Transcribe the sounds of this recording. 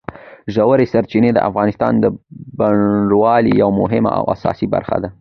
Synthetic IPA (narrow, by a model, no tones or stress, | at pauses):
ʒawəɾesaɾt͡ʃined̪ə̰ʔafɣɑnɪst̪ɑ̰nd̪əbaɳɖwɑlijawmʊɦɪma̰ʔa̰wa̰sɑ̰siba̰ɾxa̰d̪a